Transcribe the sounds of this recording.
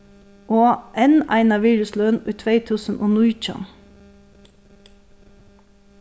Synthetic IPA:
ʔoːʔɛnæ̰ɪnɑʋiːɹʉslœːnʉːt̪ʰʋeɪt̪ʰʉːsn̩ʔoːnuʏc͡çɑ̰n

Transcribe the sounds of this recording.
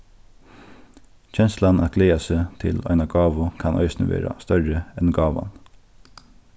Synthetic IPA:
c͡çɛnslɑnʔɑt̪̚ɡleːɑsət̪ʰɪlɑ̰ɪnɑɡɑːʋʊkʰɑnʔœ̰ʏsnəʋḛːɾɑ̰st̪œɹəɛnɡɑːʋɑ̰n

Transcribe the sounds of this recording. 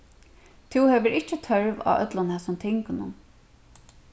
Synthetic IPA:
t̪ʰɪwhɛʋəɾɪt͡ʃːət̪ʰœɹʋɑ̰œ̰t̪lɔnhɛsɔmt̪ʰɪŋkʊnʊ̰n

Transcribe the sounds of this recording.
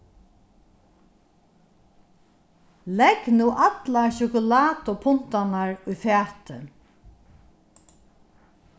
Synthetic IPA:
lɛknuːʔat̪laʃʊkʊlaːt̪ʊpʰʊn̥t̪anaɹʊjfɛːt̪ɪ̰

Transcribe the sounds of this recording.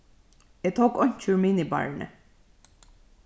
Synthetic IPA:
jæt̪ʰoːkɔɲ̥t͡ʃʰʉːɹminiːbɑ̰ɹɳə̰

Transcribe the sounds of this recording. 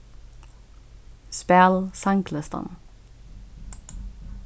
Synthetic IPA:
spælsɑŋkʰləst̪ɑ̰n

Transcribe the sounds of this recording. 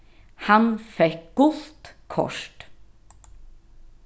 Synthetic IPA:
hɑnfɛk̚ɡ̥ʊlt̪kʰɔ̰ʂʈ

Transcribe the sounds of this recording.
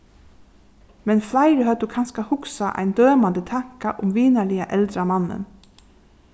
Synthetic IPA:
mɛnflaɪɾəɦœd̪ukʰanskahʊksaʔa̰ɪnd̪øːmand̪ət̪ʰaŋ̥kaʔʊmʋiːnaɭɪaʔɛld̪ɾamanːə̰n

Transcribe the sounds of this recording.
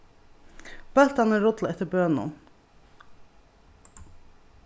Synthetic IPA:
b̥ɛlt̪ɑnəɾʊd̪lɛt̪əbøːnnʊ̰

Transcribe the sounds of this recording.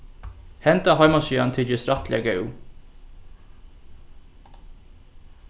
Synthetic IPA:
hɛnt̪ɑhɑɪmɑʃiːɑnt̪ʰɪd͡ʒəsɾɑt̪ʰlɪəɡœʉ

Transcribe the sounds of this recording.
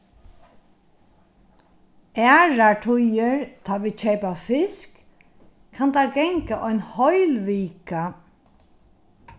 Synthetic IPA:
æːɹaʈʰʊjəɹt̪ʰɑːʋiːt͡ɕʰeɪpafɪskʰː | and̪aɡɛŋkaʔɔʏnhɔʏlʋiːka

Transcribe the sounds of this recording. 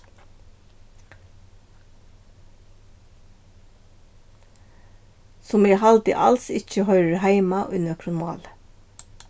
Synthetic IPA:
sɔmiːhɑld̪ɪ̰ʔɑ̰lsɪc͡çəhœʏəɹhæɪmɑʔʉnəkʰɾʊnmɑ̰ːlə

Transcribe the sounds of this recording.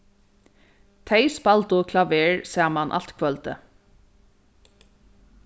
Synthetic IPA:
t̪ʰeɪspɑlt̪oːkʰlɑʋeːɹsæːmɑnʔɑ̰lt̪kʰʋœlt̪ə

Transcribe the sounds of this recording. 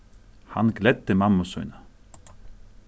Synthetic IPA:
hɑ̰nɡlɛd̪ːəmɑmʊsœʏnə

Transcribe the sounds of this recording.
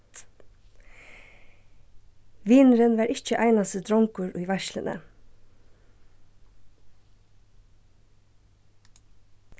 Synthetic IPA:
ʋiːnɾənʋæːɾɪçəʔæɪnɑsəd̪ɾɔŋkʊɹʉːʋæʃlə̰nʔə̰

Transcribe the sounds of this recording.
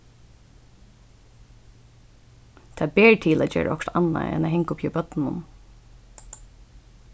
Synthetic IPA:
t̪ʰɑːbeːɹt̪ʰɪlæːd͡ʒḛːɹə̰ɔkt̪anːa̰ɛ̰næhɛŋkʊpʰjibœt̪n̩nʊ̰n

